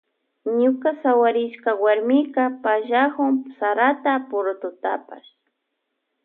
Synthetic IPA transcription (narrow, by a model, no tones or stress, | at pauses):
ɲʊkasawaɾɪʃkawaɾmɪkapaʒahʊŋsaɾat̪apʊɾʊt̪ʊt̪a̰pa̰ʃ